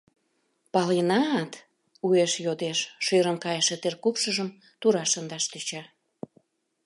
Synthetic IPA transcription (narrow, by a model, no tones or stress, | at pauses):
pɑlenɑt̪ | ueʃjod̪eʃʃøɾəmkɑjəʃet̪erkupʃəʒəm | t̪uɾɑʃənd̪ɑʃt̪øt͡ɕɑ